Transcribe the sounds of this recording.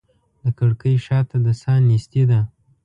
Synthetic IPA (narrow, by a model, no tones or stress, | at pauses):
d̪əkəɽkəjʃɑt̪ad̪əsɑnːisd̪ed̪a